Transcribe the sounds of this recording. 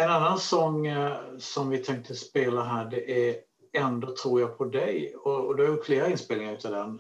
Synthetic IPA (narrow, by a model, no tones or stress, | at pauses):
ɛnanːansɔŋː | sɔmvɪt̪ʰɛŋk̚t̪əspeːlaɦæːɖɛʔæ | ɛnd̪oːt̪ʰɾuːɾjaɡpʰɔd̪ɛjɔɔd̪ɛhaɾjʊʈfleːɾaɪnspeːlɪŋaɾʉ̟ːt̪ʰad̪ɛn